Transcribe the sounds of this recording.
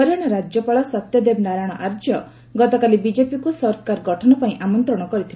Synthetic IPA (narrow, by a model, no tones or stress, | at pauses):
ɔɾaɽ̃ɔɾad͡ʒjɔpaɭɔsɔt̪jɔd̪ebnaɾaɽ̃ɔʔaɾd͡ʒjɔ | ɡɔt̪ɔkalibid͡ʒepikusɔɾkaɾɔɡɔʈʰɔnɔpaĩʔamɔnt̪ɾɔɽ̃ɔkɔɾit̪ʰil